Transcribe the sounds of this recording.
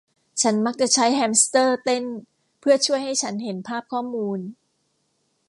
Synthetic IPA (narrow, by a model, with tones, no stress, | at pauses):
t͡ɕʰa˦˥nma˦˥k̚t͡ɕa˨˩ʔt͡ɕʰa˦˥jɦɛː˧mst̪ɤː˥˩t̪e˥˩n | pʰɯ˥˩ɐt͡ɕʰu˥˩əjɦa˥˩jt͡ɕʰa˦˥nhe˨˩˦npʰaː˥˩p̚kʰɔː˥˩muː˧n